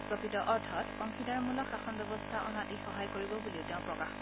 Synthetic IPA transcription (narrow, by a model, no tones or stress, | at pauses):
pɹokɹitɔʔɔɹtʰɔtɔŋkʰidaɹmulɔxaxɔnbɛbɔstʰaʔɔnatixɔɦajkoɹibɔbuliʊteʊ̃pɹɔkax